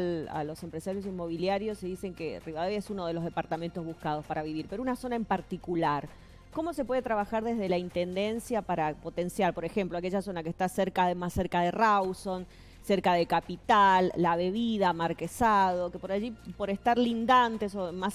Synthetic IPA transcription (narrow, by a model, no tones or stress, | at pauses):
a̰lo̞sempɾesaɾjos̬imo̞βiljaɾjo̞sːeðise̞ŋkeriβaðeβjesuno̞ð̞e̞lo̞zðe̞paɾt̪ament̪ozβuhkað̞o̞spaɾaβiβiɾpeɾounaso̞naempaɾt̪ikulaɾ | ko̞mo̞se̞pwe̞ð̞et̪ɾaβaxaɾðe̞zðe̞laint̪e̞nd̪e̞nsjapaɾapo̞t̪e̞nsjaɾpo̞ɾe̞xe̞mploakeʒaso̞nakest̪aseɾkaðemasːeɾkaðerawso̞n | seɾkað̞ekapit̪alːaβe̞βiðamaɾkesað̞o̞kepo̞ɾaʒipo̞ɾest̪aɾlind̪ant̪e̞somas